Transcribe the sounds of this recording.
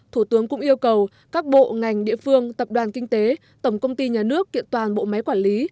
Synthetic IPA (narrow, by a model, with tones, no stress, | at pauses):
t̪ʰu˧˩t̪ɨ˨˦əŋkʊ̰˧˥ŋ͡mʔi˧əwkə˨˩w | kaː˦˥k̚ɓo̰˧˨ŋa˨˩jŋ̟ɗḭ˧˨əfɨ˧əŋt̪ə˨˩p̚ɗwaː˨˩nkï˧ŋ̟t̪e˨˦ | t̪ə˧˩wŋ͡mkə˧wŋ͡mt̪i˧ɲaː˨˩nɨ˦˥əkːḭ˧˨ənt̪waː˨˩nɓo̰˧˨ma˨˦jkwaː˧˩nli˨˦